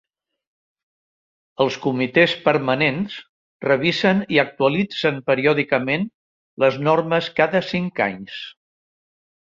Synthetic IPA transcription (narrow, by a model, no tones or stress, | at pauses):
əlˠskumit̪espəɾmənens | rəβizəniək̚t̪uəlid͡zənpəɾiɔðikəmen | ləznɔrməskaðəsiŋka̰ɲs